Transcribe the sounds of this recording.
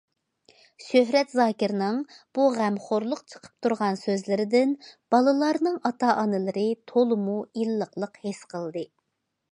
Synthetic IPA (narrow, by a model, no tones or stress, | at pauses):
ʃøɦɾɛt̪zɑːkʲiɾnɨŋb̥uʁæmχoɾlˠʊqt͡ʃʰə̥qʰə̥p̚t̪ʰuɾʁɑnsøzlɪɾɪd̪ɪnb̥ɑlˠɨlˠɑɾnɨŋɑt̪ʰɑʔɑnɨlˠɨɾɨt̪ʰolˠɨmuilːəqlˠəqhesqʰəlˠd̪ɨ